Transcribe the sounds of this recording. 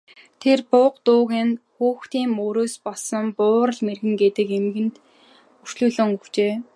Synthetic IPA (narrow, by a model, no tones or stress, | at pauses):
t̪ʰerpʊqt̪ʊːɣeːnxuːxt̪iːŋoːɾoːspɔɮsə̆mpʊːɾə̆ɮmerɣɘ̆ŋɡet̪ɘ̆kemɡɘ̆nt̪ | ur̥t͡ɕɮuːɮɵ̆ŋuw̥t͡ɕeː